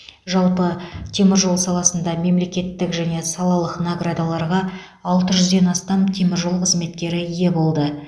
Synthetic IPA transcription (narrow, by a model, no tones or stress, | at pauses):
ʒɑlˠpət̪ʰe̞mɪɾʒo̞lˠsɑlˠɑsənd̪ɑme̞mle̞kʲe̞t̪ːɪkʒæne̞sɑlˠɑlˠəqnaɡrad̪alˠɑɾʁɑː | lˠt̪əʒʏzd̪e̞nɑst̪ɑmt̪ʰe̞mɪɾʒo̞lˠqʰəzme̞t̪kʲe̞ɾɪije̞bo̞lˠd̪ə